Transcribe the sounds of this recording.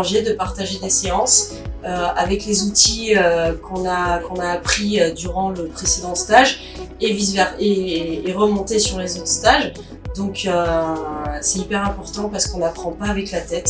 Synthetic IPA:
ʒɛd̪əpaʁt̪aʒed̪eseɑ̃s | øavɛklezut̪iøkɔ̃nakɔ̃naːpχiød̪yʁɑ̃ləpχesed̪ɑ̃st̪aʒ | evizvɛʁeːʁəmɔ̃t̪esyʁlezot̪st̪aʒ | d̪ɔ̃kø | sɛt̪ipɛʁɛ̃pɔʁt̪ɑ̃paʁsə̥kɔ̃napχɑ̃paːvɛklat̪ɛt̪

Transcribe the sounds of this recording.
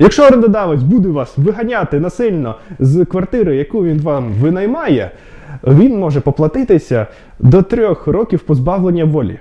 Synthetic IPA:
jɐkʃɔɐɾend̪ɐd̪ɑʋɐtʲbud̪ʊʋɑsʋɪɦɐnʲat̪ɪnɐsɪlʲnɔzkʋɐrt̪ɪɾɪjɐkuʋʲinʋɑmʋɪnɐjmɑjɛ | ʋʲinmɔʒɛpɔplˠɐt̪ɪt̪ɪsʲɐ | d̪ɔt̪ɾʲɔxrɔkʲiwpɔzbɑʋlˠenʲːɐʋɔlʲḭ

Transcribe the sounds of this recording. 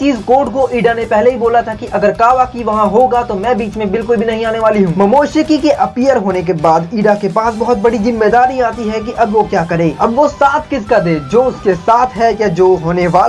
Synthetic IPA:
t͡ʃiːzkoːʈkoiːɖanepɛɦleɦiboːlat̪ʰakiʔɐɡəɾkaːʋakiʋɐɦãɦoɡat̪omɛ̃ːbiːt͡ʃmẽbɪlkʊlbʱinɐɦĩaːneʋaːliɦũːmɐmoːʃekikeʔɐpijəɾɦoːnek̬ebaːd̪iːɖakepaːsbɐɦʊt̪̚bɐɽizɪ̃mːed̪aːɾiaːt̪iɦɛk̬iʔɐbʋokjaːkɐɾẽːɐbʋosaːt̪ʰkɪskad̪eːd͡ʒoːʊskesaːt̪ʰɦɛjad͡ʒoːɦoːneʋaː

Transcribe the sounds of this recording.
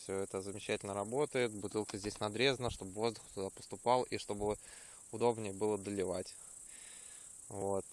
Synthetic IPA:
fsʲoɛt̪əzəmʲɪt͡ɕːætʲɪlʲnəɾɐbo̞t̪əjɪt̪bʊt̪ɨlˠkəzʲdʲesʲnɐd̪ɾʲe̞znəʂt̪o̞bvo̞zd̪ʊxt̪ʊd̪apə̥st̪ʊpɑlˠʔiʂt̪o̞bɨ | ʊd̪o̞bnʲɪjəbɨlˠəd̪əlʲɪvatʲ | vot̪

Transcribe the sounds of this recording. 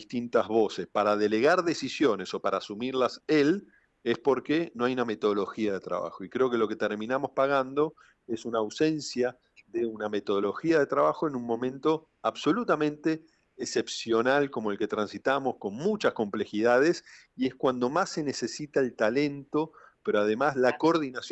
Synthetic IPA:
ist̪int̪azβo̞sespaɾaðe̞le̞ɣaɾðe̞sisjo̞ne̞so̞paɾaːsumiɾlasel | espo̞ɾkeno̞ajuname̞t̪o̞ð̞olo̞xiað̞e̞t̪ɾa̰βa̰xo̞ikɾe̞o̞ke̞lo̞ke̞t̪eɾmĩnamo̞spaɣand̪o̞ | e̞sunaːwse̞nsja | ðeuname̞t̪o̞ð̞olo̞xiaðe̞t̪ɾaβaxo̞enunmõ̞mẽnt̪o̞ | aβso̞lut̪amẽ̞nt̪e̞ː | sepsjo̞nalkomoelke̞t̪ɾansit̪amo̞sko̞nmut͡ʃasko̞mple̞xiðaðe̞s | ie̞skwand̪o̞masːe̞ne̞se̞sit̪aelt̪ale̞nt̪opeɾoaðe̞maslako̞ɾðinas

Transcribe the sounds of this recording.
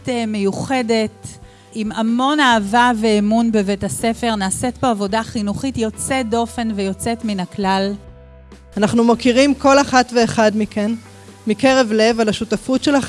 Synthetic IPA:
tme̞juχe̞de̞t | imamo̞naːvave̞ːmunbe̞vetase̞fe̞ʁnaːse̞tbo̞avo̞daχinuχitjo̞t͡sedo̞fe̞nve̞jo̞t͡se̞tminaklal | anaχnumakiʁimko̞laχatve̞ːχadmiken | mikeʁevle̞valaʃutafutʃela

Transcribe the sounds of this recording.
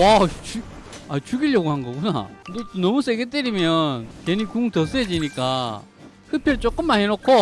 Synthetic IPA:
wat͡ɕi | at͡ɕuɡiɭjʌɡuhanɡʌɡuna̰detonʌmusʰeɡet̬͈eɾimjʌnkenikuŋtʌs͈ed͡ʑiɲik͈a | hɯpʰjʌɾt͡ɕ͈ok͈ɯmːanɦenokʰo

